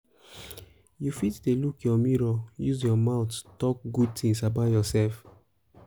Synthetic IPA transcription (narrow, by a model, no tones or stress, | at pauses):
jufitdelukjɔmiɹɔjuzjɔmaʊttɔk̚ɡud̚tĩŋsabaʊtjɔsɛlf